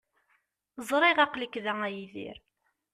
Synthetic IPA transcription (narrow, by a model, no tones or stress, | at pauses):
zˤɾˤiʁɑqləkːðææjiðḭɾ